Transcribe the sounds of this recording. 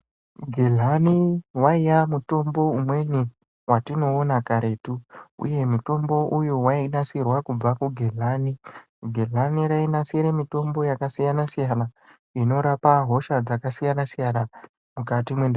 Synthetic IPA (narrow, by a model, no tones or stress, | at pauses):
ɡʱe̞ɮaniwaijamuto̞mbo̞umwe̞ni | watino̞ːnakaɾe̞ːtuṵje̞muto̞mbo̞ʔujuwainasirwakub͡vakuɡʱeɮani | ɡʱe̞ɮaniɾainasiɾemito̞mbo̞jakasijanasijana | ino̞ɾapaɦo̞ʃad͡zakasijanasijana | mukatimwenda